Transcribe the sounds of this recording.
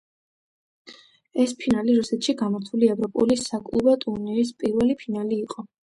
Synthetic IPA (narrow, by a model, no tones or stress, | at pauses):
ɛspʰinaliɾusɛt̪ʰʃiɡamɔɾt̪ʰuliɛvɾɔpʼulisakʼlˠubɔt̪ʼuɾnɛɾis̬pʼiɾvɛlipʰinaliːqʼɔ